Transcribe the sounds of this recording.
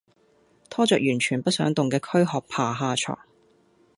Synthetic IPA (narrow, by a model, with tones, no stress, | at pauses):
t̪ʰɔː˥t͡sœː˨k̚jyː˨˩nt͡ʃʰyː˨˩npɐ˥t̚sœː˨˥ŋt̪ʊ˨ŋkɛː˧kʰɵ˥ɥɦɔː˨k̚pʰaː˨˩ɦaː˧t͡ʃʰɔ̰ː˨˩ŋ